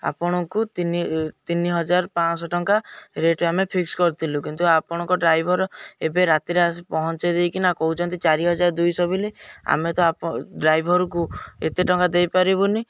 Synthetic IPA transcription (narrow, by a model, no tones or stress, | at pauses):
a̰pɔɽ̃ɔkut̪init̪iniɦɔd͡ʒaɾpãsɔʈɔŋkaɾeʈamepʰikskɔɾt̪ʰilũkint̪uapɔɽ̃ɔ̃ŋkɔɖɾajbʱɔɾɔebeɾat̪iɾeaspɔɦɔnt͡ʃed̪eikinakɔɦut͡ʃʰɔnt̪it͡ʃaɾiɦɔd͡ʒaɾɔd̪ujsɔbilea̰met̪ɔaɖɾajbʱɔɾuk̬uḛt̪eʈɔŋkad̪ejpaɾibuni